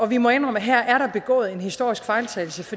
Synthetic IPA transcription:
ɒ̽ʋimɒ̽enʁɒmæɦæɐ̰ʔæɐɾɑ̈b̥e̝ɡ̥ɔ̰ːð̩ˠe̝nhisd̥o̝ɐ̰isɡ̥fɑ̈ɪlt͡sʰɛl̩səfɒ̥̽

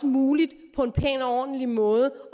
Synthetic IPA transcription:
əmuːlid̥ | pʰɒ̽e̝npʰɛːnɒɒːd̥n̩limɔ̽ːð̞ˠə

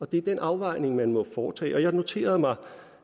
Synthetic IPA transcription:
ɒ̽d̥e̝ɐd̥enʔɑ̈ʊʋɑ̈ɪ̰ne̝ŋmænmɒ̽fɒːt͡sʰɛ̰ːɒ̽jɑ̈ɪno̝t͡sʰe̝̰ːɐð̞̩ˠmɑ̈ɪ

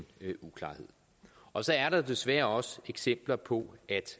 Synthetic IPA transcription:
nukʰlɑ̰̈ːhe̝ð̰ˠ | ɒ̽sɒ̽æɐɾɑ̈d̥e̝sʋæɐɒ̽səe̝ɡ̥sem̰b̥lɐpʰɒ̽æd̥

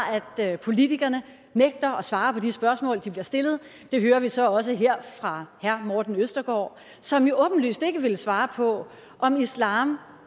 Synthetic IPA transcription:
æd̥pʰo̝lit͡sʰiɡ̥ɐnə | neɡ̥̚d̥ɐɒ̽sʋɑ̈ːɐpʰɒ̽disb̥ɶɐsmɔ̰ːld̥ib̥liɐsd̥e̝lð̞̩ˠ | d̥e̝ɦøːɐʋisɒ̽ɒ̽s̬əɦeɐ̰fʁɑ̈hæɐmɒːd̥n̩øsd̥ɐɡ̥ɒ̰ː | sɒ̽mjiʔɔ̽ːb̥n̩dly̰ːsd̥e̝ɡ̥əʋe̝lsʋɑ̈ːpʰɒ̽ | ʔɒ̽mislɑ̰̈ːm

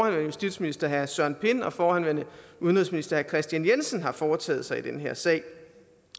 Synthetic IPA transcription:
ænʋenəjusd̥id̥sminisd̥ɐɦæɐsɶɐ̰npʰe̝nɒ̽fɒːænʋenəuðˠnʁiðˠsminisd̥ɐhæɐkʰʁɛsd̥jænjensənɦɑ̈fɒːt͡sʰɛ̰ːð̩ˠsɑ̈ɪid̥enəɦeɐ̰sɛ̰ɪ

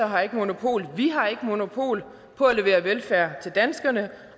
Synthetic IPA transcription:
ɐɦɑ̈e̝ɡ̥əmo̝no̝pʰo̝̰ːlʋiɦɑ̈e̝ɡ̥əmo̝no̝pʰo̝̰ːl | pʰɒ̽æle̝ʋe̝̰ːɐʋelfæɐ̰t͡sʰe̝ld̥ænsɡ̥ɐnə

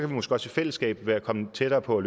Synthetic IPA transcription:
kʰæʋimɒ̽sɡ̥eɒ̽si̥fel̰əsɡ̥ɛ̰ːb̥ʋæːɐkʰɒ̽mət͡sʰe̝ɾ̥ɑ̈ɪpʰɒ̽ælø

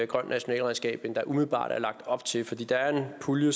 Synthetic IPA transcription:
ɡ̥ʁɶn̰næɕo̝nɛ̰ːlʁansɡ̥ɛ̰ːb̥end̥ɑʔumiðˠb̥ɑ̰̈ːɾ̥æɐlɑ̈ɡ̥̚d̥ɒ̽b̥t͡sʰe̝lfɒ̽d̥ḭːd̥ɑ̈æɐe̝npʰuljə

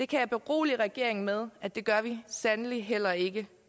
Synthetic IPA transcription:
d̥e̝kʰæjæb̥e̝ʁo̝̰ːliʁɛɡ̥e̝ɐ̰e̝ŋn̩með̞ˠæd̥e̝ɡ̥ɶɐʋisænəliɦel̰ɐe̝ɡ̥ə

